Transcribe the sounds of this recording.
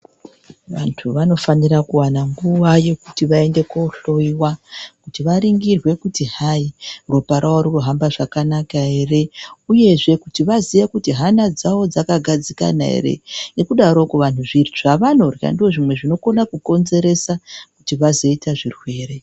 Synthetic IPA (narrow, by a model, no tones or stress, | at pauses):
ʋa̰ntʰuʋano̞fanirakuwanaŋɡuʋaje̞kutiʋae̞nde̞kouɬo̞iwakutiʋaɾiŋɡirwe̞kutiɦairo̞paɾʔawaɾukuɦambaʐakanakae̞re̞uje̞ʐe̞kutiʋaziʋekutiɦanad͡zawo̞d͡zakaɡʱad͡zika̰na̰ɦḛɾe̞̰ne̞kuɗaɾo̞kuʋantuʐiriʐ̥aʋano̞rja̰ndio̞ʐimwe̞ʐino̞ko̞nakuko̞nze̞ɾe̞sakutiʋazo̞itaʐirwe̞ːre̞